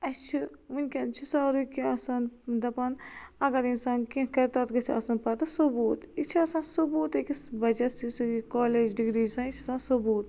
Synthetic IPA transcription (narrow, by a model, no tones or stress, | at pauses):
ɐt͡ʃʰiʋunʲkʲɐnt͡ʃʰisaːɾukiɐsaːnd̪ɐpanɐɡɐɾinsaːnkĩkɐɾt̪at̪kɐsiɐsaːnpɐt̪ɐsubuːt̪it͡ʃʰiɐsaːnsubuːt̪ekisbɐd͡ʒɐsisuikoːleːd͡ʒɖiɡɾiːd͡ʒsãːnit͡ʃʰɐsaːnsubuːt̪